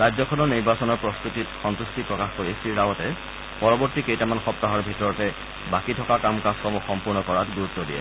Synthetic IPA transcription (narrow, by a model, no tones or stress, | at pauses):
ɹajd͡ʑzɔkʰɔnɔniɹbasɔnɔɹpɹɔstɹutitxɔntustipɹɔkaxkoɹisɹiɹawɔtɛ | pɔɹɔbɔɹtikejtamanxɔp̚taɦɔɹbʱitɔɹɔtɛ | bakitʰɔkakamkaskɔmɔxɔmpuɹnɔkɔɹatɡuɹut̪ːɔdijɛ̰